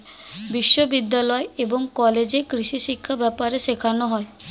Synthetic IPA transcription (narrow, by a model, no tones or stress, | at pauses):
biʃːobid̪ːalɔeeboŋkɔled͡ʑekɾiʃiʃikʰːabɛpaɾeʃekʰanoɦɔe